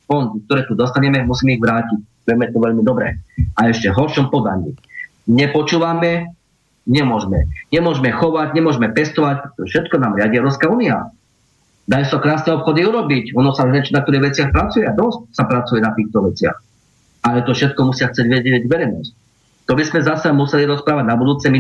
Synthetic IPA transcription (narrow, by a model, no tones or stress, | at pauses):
fɔnd̪ik̚t̪ɔɾɛːt̪ud̪ɔst̪aɲɛmɛmusiːmɛiɣʋɾaːcic̚ | ʋɪɛmɛt̪ɔʋɛʎmid̪ɔbɾɛ̰aɛʃcɛɦɔɾʃɔmpɔd̪aɲḭ | ɲɛpɔt͡ʃuːʋamɛ | ɲɛmʊɔʒmɛɲɛmʊɔʒmɛxɔʋaɟɲɛmʊɔʒmɛpɛst̪ɔʋac̚pɾɛt̪ɔʒɛfʃɛt̪kɔnaːmɾɪaɟiɛʊɾɔpskauːnia̰ | d̪ajɛsakɾaːsnɛɔpxɔd̪iuɾɔbicɔnɔsaɲɛt͡ʃnak̚t̪ɔɾiɣʋɛt͡sɪaxpɾat͡sujɛad̪ɔst̚sapɾat͡sujɛnat̪iːxt̪ɔʋɛt͡sɪa̰x | alɛt̪ɔfʃɛt̪̚kɔmusɪaxt͡sɛɟʋɛɟɛɟʋɛɾɛjnɔ̰st | t̪ɔbizmɛzasɛmusɛliɾɔspɾaːʋaɟ̚nabud̪uːt͡sɛmi